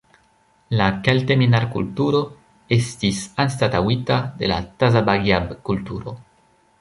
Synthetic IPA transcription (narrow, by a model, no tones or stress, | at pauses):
lakalt̪eminaɾkṵlt̪uɾo | est̪isanst̪at̪awit̪ad̪ela̰t̪azabaɡjabkult̪uɾo